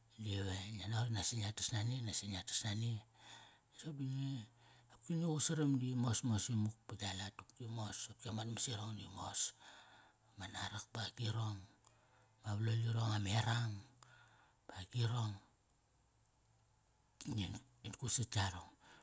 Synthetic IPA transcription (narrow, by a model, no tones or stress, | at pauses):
lieβeanoɾinasinatḁsnaninasinatḁsnani | isop̚dine | ap̚kinousaɾamdimo̞smosimuk̚paɡalatup̚kimosap̚kiamatmasiɾoŋdimo̰s | manaɾak̚baɡiɾoŋ | maβloliɾoŋameɾaŋ | baɡiɾo̞ŋ | nin | inkusit͡ʃaɾoŋ